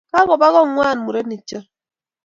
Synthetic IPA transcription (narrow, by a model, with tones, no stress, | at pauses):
ka˦ɣɔ˨ba˦ɣɔ˦ŋwaː˦˨nmu˨ɾe˦ni˨t͡ʃa˦